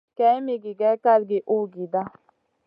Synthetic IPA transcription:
kɛ̃˨˦mi˨ɡi˨ɡɛ˨˦ka˦˨lɡe˨ʔu˦˨ɡi˨d̪a˦

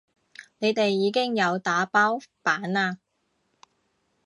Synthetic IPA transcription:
ne˨˧jt̪e˨jːiː˨˧kɪ˥ŋjɐ˨˧wt̪aː˨˥paː˥wpaː˨˥naː˧

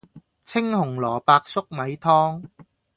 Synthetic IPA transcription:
t͡sʰɪ˥ŋhʊ˨˩ŋlɔː˨˩paː˧k̚sʊ˥k̚mɐ˨˧jt̪ʰɔː˥ŋ

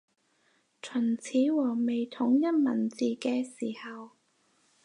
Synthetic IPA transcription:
t͡ʃʰɵ˨˩nt͡sʰiː˨˥wɔː˨˩me˨jt̪ʰʊ˨˥ŋjɐ˥t̚mɐ˨˩nt͡siː˨kɛː˧siː˨˩hɐ˨w

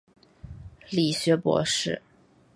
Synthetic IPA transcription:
li˨˩ɕɥɛ˧˥pwɔ̰˧˥ʂɻ̩˥˩

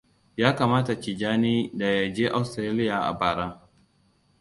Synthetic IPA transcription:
jaː˦kaː˨maː˦ta˨t͡ʃi˨d͡ʒaː˦niː˦da˨ja˨d͡ʒeː˦ʔa˨wstɾaː˦lɪ˦jaː˨ʔa̰˨baː˨ɽa˦ŋ

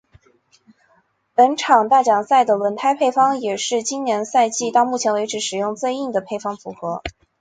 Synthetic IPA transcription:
pə˧˥nʈ͡ʂʰɑ˨˩ŋt̪a˥˩t͡ɕjɑ˨˩ŋsa˥˩ɪd̪ə˩lwə˧˥nt̪ʰa˥ɪpʰe˥˩ɪfɑ˥ŋjɛ˨˩ʂɻ̩˥˩t͡ɕi˥nnjɛ˧˥nsa˥˧ɪt͡ɕi˥˩t̪ɑ˥˧ʊmu˥˩t͡ɕʰjɛ˧˥nwe˧˥ɪʈ͡ʂɻ̩˧˥ʂɻ̩˨˩jʊ˥˧ŋt͡swe˥˧ɪi˥˩ŋd̪ə˩pʰe˥˩ɪfɑ˥ŋfu˧˥xɤ˧˥

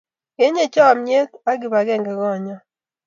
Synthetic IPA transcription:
e˦ɲe˨t͡ʃɔ˦a˨mɲe˦ka˦ɡɪ˨βa˨ɡɛ˦˨ŋɡɛ˨ɡɔ˦˨ɲɔ˦

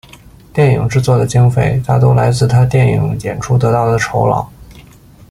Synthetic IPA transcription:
t̪jɛ˥˩ni˨˩ŋʈ͡ʂɻ̩˥˧t͡swɔ˥˩d̪ə˩t͡ɕi˥ŋfe˥˩ɪt̪ʰa˥t̪̬o˥ʊla˧˥ɪt͡sɹ̩˥˩t̪ʰa˥t̪jɛ˥˩ni˨˩ŋjɛ˨˩nʈ͡ʂʰu˥t̪ɤ˧˥t̪ɑ˥˩ʊd̪ə˩ʈ͡ʂʰo˧˥ʊlɑ̰˨˩˦ʊ

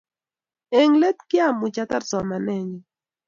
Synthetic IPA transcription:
e˨ŋle˦t̪kja˦mu˨t͡ʃat̪a˦ɾsɔ˨ma˨nɛ˦ɲi˨

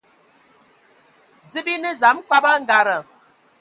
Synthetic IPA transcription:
d͡zɨ˦bi˦nə˦za˨˦mkwa˦ba˦ŋ̩˦ɡa˨ɾə˨

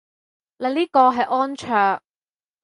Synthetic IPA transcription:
lɐ˨˧liː˥kɔː˧ɦɐ˨jʔɔː˥nt͡ʃʰœː˨˩ŋ̚

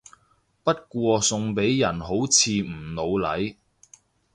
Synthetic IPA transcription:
pɐ˥t̚kʷɔː˧sʊ˧ŋpe˨˥jːɐ˨˩nɦo˨˥wt͡sʰiː˧m̩˨˩lo˨˧wlɐ˨˥j

